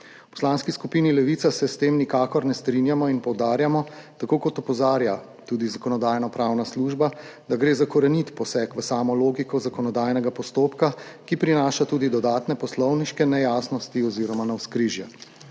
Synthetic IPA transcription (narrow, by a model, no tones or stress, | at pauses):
pɔ̥slanskiskupinilɛʋiːt̪asɛst̪eːmnikaːkɔɾnɛst̪ɾinjamɔinpɔwd̪aːɾjamɔt̪akoːkɔt̪ɔpɔzaːɾja | t̪uːd̪izakɔnɔd̪aːjnɔpɾaːwnasluːʒbad̪aɡɾeːzakɔɾɛnit̪pɔsɛkʋəsaːmɔloːɡikɔzakɔnɔd̪aːjnɛɡapɔst̪oːpkakipɾinaːʃat̪uːd̪id̪ɔd̪aːt̪nɛpɔslɔwniʃkɛnɛjaːsnɔst̪iɔziɾɔmanawskɾiʒjɛ